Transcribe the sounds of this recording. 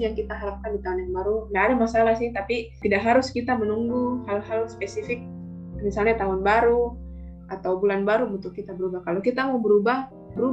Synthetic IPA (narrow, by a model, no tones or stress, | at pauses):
jaŋkit̪aɦaɾap̚kandit̪aɦʊnjaŋbaɾundaːdamasalahsɪht̪apit̪idaʔɦaɾʊskit̪amənuŋɡuhalɦalspɛsifɪk̚ | misalɲat̪aɦʊnbaɾu | ʔat̪awbulanbaɾubənt̪ʊlkit̪abəɾubahkalokit̪amabəɾubah | bəɾu